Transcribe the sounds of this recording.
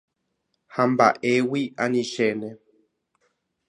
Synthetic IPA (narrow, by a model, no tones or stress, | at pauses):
hamba̰ʔewiaɲĩʃenẽ